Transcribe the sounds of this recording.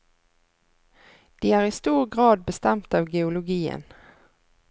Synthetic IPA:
d̪̥iːæːʁiːst̪uːʁɡʁɑːd̪̚bəst̪ɛmt̪ɑːʋɡɛʊlʊɡiːə̰n

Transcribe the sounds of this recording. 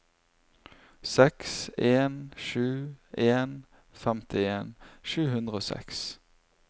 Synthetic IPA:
sɛkseːnʃʉːʔeːn | fɛmt̪ʰɪeːnʃʉːhʉnd̪ʁəoːsɛ̰ks

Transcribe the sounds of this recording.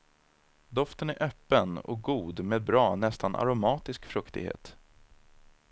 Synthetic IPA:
d̪ɔft̪ənæɾʔœpːənɔ̰k̚ɡuːd̪meːd̪̚bɾɑːnɛst̪anʔa̰ɾʊmɑːt̪ɪskfɾɵkt̪ɪ̰ɡhḛːt̪

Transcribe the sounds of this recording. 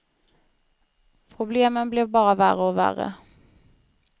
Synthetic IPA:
pʰʁʊbleːmənbleːbɑːʁəʋæːʁəoːʋæ̰ːʁə̰

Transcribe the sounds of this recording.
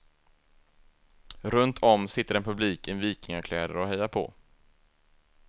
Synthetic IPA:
ɾɵnt̪ʰɔmsɪt̪ːəɾɛnpʰɵbliːkɛnviːkɪŋaɾkʰlɛːd̪ə̰ɾɔhɛjːaɾpʰɔ̰

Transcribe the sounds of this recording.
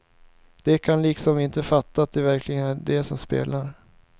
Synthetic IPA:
d̪̥ɛkʰanliːksɔmɪnt̪əfat̪ːat̪̚d̪ɛvæɾkʰlɪɡənæd̪ɛsɔmspḛːlaɾ

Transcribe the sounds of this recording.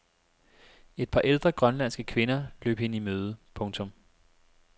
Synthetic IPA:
e̝d̥̚pʰɑ̈ʔeld̥ʁɐɡ̥ʁɶnlæn̰sɡ̥əkʰʋe̝nɐlø̰ːb̥əhe̝nəimøːð̞ˠəpʰɔ̽ŋt͡sʰɔ̽m

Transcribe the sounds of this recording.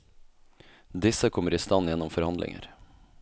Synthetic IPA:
d̪ɪsəkʰɔmːəɾiːst̪ɑnjɛnːɔmfɔɾhɑnd̪lɪ̰ŋə̰ɾ

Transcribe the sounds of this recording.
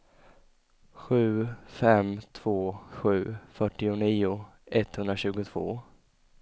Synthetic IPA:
ɧʉ̟ːfɛmt̪ʰv̥oːɧʉ̟ːfœʈːɪʊniːʊ | ɛt̪hɵnd̪ɾaɕʉ̟ːɡʊt̪ʰv̥o̰ː

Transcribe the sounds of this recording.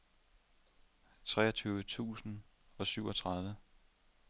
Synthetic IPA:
t͡sʰʁɛ̰ːɐt͡sʰyːʊʋət͡sʰṵːsn̩ɒ̽syʊɒ̽t͡sʰʁɑ̈ð̞ˠʋə

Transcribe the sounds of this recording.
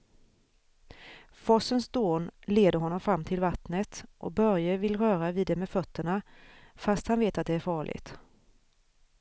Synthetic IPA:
fɔsənsd̪oːnleːd̪əɾɦɔnːɔmfɾamːt̪ʰɪlvat̪nət̪ʔɔ̰k̚bœɾjəvɪlɾœːɾavɪːd̪ːɛmɛːfœt̪ʰːəɳafast̪hanveːt̪at̪̚d̪ɛæɾfɑːɭʔɪ̰t̪

